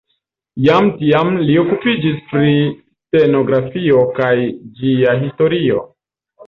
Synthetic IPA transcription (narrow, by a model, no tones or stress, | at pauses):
jamtiamlio̞kupid͡ʒispɾi | te̞no̞ɡɾafio̞kajd͡ʒiaɦisto̞ɾio̞̰